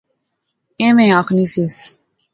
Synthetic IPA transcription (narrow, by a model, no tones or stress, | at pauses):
ẽːmẽːaxniːseːs